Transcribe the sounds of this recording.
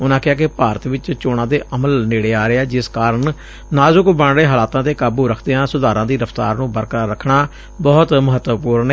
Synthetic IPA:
ʊnãːkɪɦaːkepaːɾət̪ʋɪt͡ʃt͡ʃoːɽ̃ãːd̪eːʔəməlneːɽeːaːɾeːɛːd͡ʒɪskaːɾəɳ | naːzʊkbəɳɽeːɦaːlaːt̪ãːt̪eːkaːbuːɾəkʰd̪eːãːsʊd̪aːɾãːd̪iːɾəfʰt̪a̰ːɾnũːbəɾkːɾəkʰɳaː | bɔːt̪məɦət̪ːpuːɾɳeː

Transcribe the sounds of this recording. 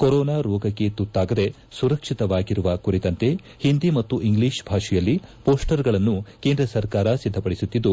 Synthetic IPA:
koɾɔːnaːɾɔːɡɐkːe̞t̪ut̪ːaːɡɐd̪e̞ | suɾɐkʂit̪ɐʋaːɡiɾuʋɐkuɾit̪ɐnt̪e̞ | hind̪imɐt̪ːuʔiŋɡliːʂbʱaːʂijɐlːipo̞ːsʈɐɾɡɐɭɐnːuke̞ːnd̪ɾɐsɐɾkaːɾɐsid̪ʱːɐpɐɽisut̪ːid̪ːu

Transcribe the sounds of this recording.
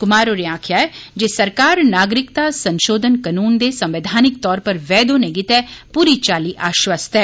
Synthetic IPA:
kʊmaːɾoɾeaːkʰjaːɛd͡ʒeːsəɾkaːɾnaːɡɾɪkt̪aːsə̃nʃoːd̪ʱənkənuːnd̪eːsɐ̃mʋed̪ʱaːnɪk̚t̪ɔːɾpəɾʋɛːd̪oːneɡɪt̪ɛːpuːɾiːt͡ʃaːliʔaːʃwəst̪ɛː

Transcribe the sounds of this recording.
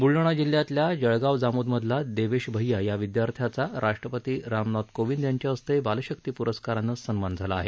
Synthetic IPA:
buɭːəɽ̃ad͡ʑilːjat̪ljad͡ʑəɭɡaʋd͡zamud̪məd̪ʱlad̪eʋeɕbʱəjajaʋid̪jaɾt̪ʰjat͡saɾʔaʂʈɾəpət̪iːɾamnɔt̪koʋind̪jaɲt͡ɕjaəst̪eebaləɕək̚t̪iːpuɾəskaɾanːəsənmand͡zʱalaːɦe

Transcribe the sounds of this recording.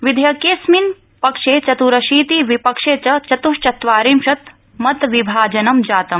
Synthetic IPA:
ʋid̪ʱjɐkeːsmin | pɐkʂeːt͡ʃɐt̪uɾɐʃiːt̪iʋipɐkʂeːt͡ʃɐt͡ʃɐt̪uʃt͡ʃɐt̪ʋaːɾimʃɐt̪ | mɐt̪ʋibʱaːd͡ʒɐnɐmd͡ʒaːt̪ɐm

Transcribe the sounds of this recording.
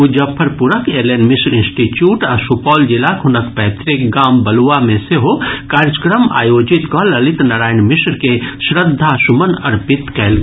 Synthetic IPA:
ud͡ʒəpʰːəɾpuɾəkeɾlenmisɾinsʈiʈjuʈasupɔːld͡ʒilakɦunəkpɛt̪ɾik̚ɡambəluameseɦokaɾd͡ʒəkɾəma̰jod͡ʒit̪kɔləlit̪naɾaːjnmisɾkesɾəd̪ʱːasumənəɾpit̪kɛɪl

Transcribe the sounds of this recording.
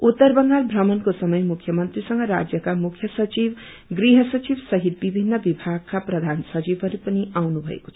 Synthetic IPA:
ut̪ːʌrbʌŋɡalbʱrʌmʌnkosʌmʌjmukʰjʌmʌnt̪risʌŋɡʌɾa̰d͡zjʌkamukʰjʌsʌt͡sib | ɡriɦʌsʌt͡sibsʌɦit̪̚bibʱinːʌbibʱaɡ̚kaprʌd̪ʱansʌt͡sibʌɾipʌniawnubʱʌ̰ḛko̥t͡sʰʌ

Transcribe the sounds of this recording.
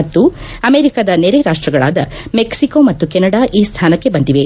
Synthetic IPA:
ɐt̪ːu | ɐme̞ːɾikaːd̪ɐneɾeɾaːʂʈɾɐɡɐɭa̰ːd̪ɐ | meksiko̞ːmɐt̪ːukɛnɐɽaːʔiːst̪ʰaːnɐkːe̞bɐnt̪iʋe

